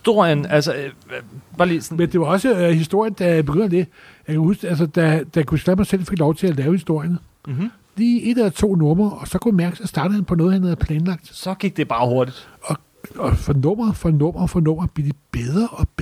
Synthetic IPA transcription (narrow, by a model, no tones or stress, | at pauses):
sd̥o̝ɐ̰jənælsə | b̥ɑ̈limend̥e̝ʋɑ̈ɒ̽səhisd̥o̝ɐ̰jənd̥æbeɡ̥øn̰ɐd̥e̝ | jɑkʰæhusɡ̥æls̬əd̥æd̥ækʰusɡ̥æmɑ̈ɪsel̰fe̝ɡ̥lɒʊt͡sʰe̝lælɛːʊhisd̥o̝ɐ̰jən | liːe̝d̥æt͡sʰo̝̰ːnɔ̽mɐɒ̽sɒ̽kʰujæmæɐɡ̥ə̥sɒsd̥ɑ̈ːɾ̥ð̩ˠhænpʰɒnɔ̽ːð̩ˠhænhæð̩ˠpʰlɛːnlɑ̈ɡ̥̚d̥sɒ̽ɡ̥iɡ̥d̥e̝b̥ɑ̈ːho̝ɐd̥id̥ɒ̽ | ɒfɒnɔ̽m̰ɐfɒnɔ̽m̰ɐfɒnɔ̽m̰ɐb̥lieɐd̥ib̥eðˠʁɐʔɒ̽b̥